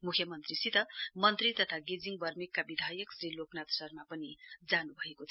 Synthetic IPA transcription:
mukʰjʌmʌnt̪risit̪ʌmʌnt̪rit̪ʌt̪ʰaɡed͡ziŋbʌrmikːabid̪ʱajʌksɾiloknat̪sʌrmapʌnid͡zanubʱʌekot̪ʰ

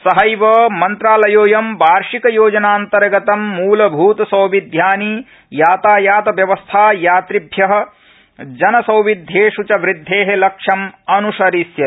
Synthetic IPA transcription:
sɐɦɐjʋɐmɐnt̪ɾaːlɐjoːjɐmbʱaːɾʂikɐjoːd͡ʒɐnaːnt̪ɐɾɡɐt̪ɐmːuːlɐbʱuːt̪ɐsɐwʋid̪ʱjaːni | jaːt̪aːjaːt̪ɐʋjɐʋɐst̪ʰaːjaːt̪ɾibʱjɐɦɐ̆ | d͡ʒɐnɐsɐ̃wʋid̪ʱjeːʃut͡ʃɐʋɾid̪ʱːeːɦelɐkʂɐmɐnusɐɾisjɐ

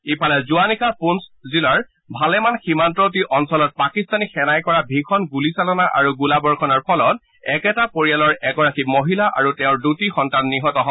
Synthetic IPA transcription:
ipʰalɛzuanikʰapunszilaɹ | bʱalɛmanximantɹɔtiʔɔnsɔlɔt̚pakistanixɛnajkɔɹabʱikʰɔnɡulisalɔnaʔa̰ɹuɡulabɔɹkʰɔnɔɹpʰɔlɔt̚ | ɛkɛtapoɹijalɔɹɛɡɔɹakimoɦilaʔa̰ɹutɛʊ̃ɹdutixɔntanːiɦɔtɔɦɔ

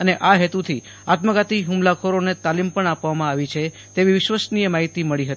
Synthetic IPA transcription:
əneʔaɦet̪ut̪ʰi | at̪məɡat̪iɦumlakʰoɾonet̪alimpəɳapʋamãaʋit͡ʃʰe | t̪eʋiʋɪʃʋəsnijemaɦit̪iməɭiɦət̪i

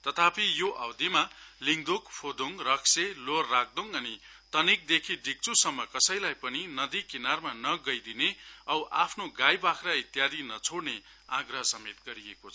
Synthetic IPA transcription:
t̪ʌt̪ʰapijoʔawd̪imaliŋd̪ukpʰod̪uŋrʌkselorːak̚d̪oŋʌni | t̪ʌnik̚d̪ekʰiɖʱik̚t͡susʌmːʌkʌsʌjlajpʌninʌd̪ikinarmanʌɡʌjd̪ineʌwʔapʰnoɡajbakʰɾait̪jad̪inʌt͡sʰoɽne | aɡrʌɦʌsʌmet̪ɡʌɾiekot͡sʰʌ

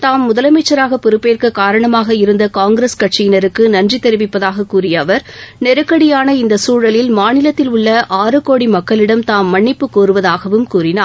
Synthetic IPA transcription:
t̪aːmːʊðɐlɐmeːt͡ʃːɐɾaːɣɐpɪɾɯpːeːrkɯkːaːɾɐɳɐmaːɣɐɪɾɯnd̪ɐkaːŋɡɾeskɐʈʂɪjɪnɐɾɯkːɯnɐndrit̪ːɛɾɪʋɪpːɐðaːɣɐkːuːrɪjɐːʋɐɾnɛɾɯkːɐɽɪjaːnɐɪnd̪ɐsuːɻɐlɪlmaːnɪlɐt̪ːɪlʊɭːɐʔaːɾɯkoːɽimɐkːɐɭɪɽɐmt̪aːmːɐɳːɪpːɯkoːɾɯʋɐðaːɣɐʋɯmkuːrɪnaːɾ

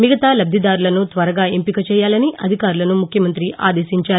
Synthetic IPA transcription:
miɡɐt̪aːlɐb̪ʱid̪aːɾulɐnut̪ʋɐɾɐɡaːempikɐt͡ʃɛːjaːlɐniʔɐd̪ʱikaːɾulɐnumukʰjɐmɐnt̪ɾiʔa̰ːd̪eːʃiɲt͡ʃaːɾu

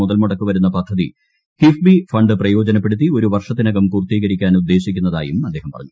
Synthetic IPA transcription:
uðɐlmuɽɐkːuʋɐɾun̪ːɐpɐd̪ʱɐðḭ | kifbifɐɳɖɨprɐjo̞ːd͡ʑɐnɐp̬ːeɽut̪ːio̞ɾuʋɐrʂɐt̪ːinɐɣɐmkuːrt̪iːɣɐɾikʲːaːnud̪ːe̞ːɕikʲːunːɐða̰ːjumɐd̪ːe̞ːɦɐmpɐrɐ̰ɲːu

